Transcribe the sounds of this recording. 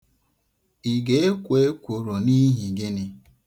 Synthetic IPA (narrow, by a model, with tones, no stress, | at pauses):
i˨ɡe˨˦e˦kʷe˨˦e˦kʷo˨ɾo˨ni˦ɦi˨ɡe˦nɪ˦